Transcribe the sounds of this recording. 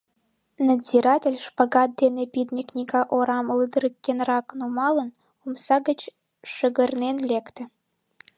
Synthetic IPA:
nazʲiɾɑtʲelʲʃpaɣɑt̪̚d̪enepʲid̪mʲiknʲikɑʔoɾɑməlˠɨd̪əɾəkʲːenrɑknumɑlˠə̆n | umsɑɣət͡ɕ | ʃə̆ɣə̆rnenlʲekt̪ɘ̆

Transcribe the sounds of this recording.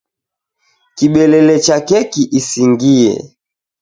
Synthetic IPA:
kiɓɛlɛlɛt͡ʃakɛkiʔisiŋɡiɛ̰

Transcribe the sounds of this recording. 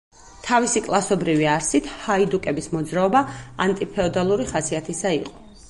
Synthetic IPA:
t̪ʰavisikʼlˠasɔbɾiviaɾsit̪ʰhaid̪ukʼɛbismɔd̪zɾaɔbaa̰nt̪ʼipʰɛɔd̪alˠuɾiχasiat̪ʰisaiqʼɔ̥

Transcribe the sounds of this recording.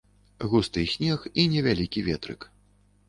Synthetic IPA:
ɣust̪ɨjsʲnʲɛxinʲɛvʲalʲikʲivʲɛt̪ɾɨ̰k

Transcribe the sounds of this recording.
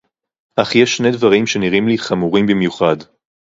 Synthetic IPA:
ʔaχjeʃne̞dvaʁimʃe̞niʁimliχamuʁimbimjuχad

